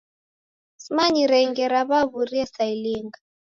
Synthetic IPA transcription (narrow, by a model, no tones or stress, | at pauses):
smaɲiɾɛŋɡɛɾaβaβuriɛsailiːŋɡa